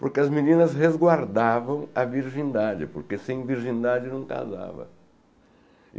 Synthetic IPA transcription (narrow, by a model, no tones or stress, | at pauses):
poɾkeɐzminĩnɐzhezɡwaɾd̪avɐ̃w̃ɐviɾʒĩnd̪ad͡ʒɪpoɾkesẽj̃viɾʒĩnd̪ad͡ʒɪnɐ̃w̃ka̰za̰vɐ̰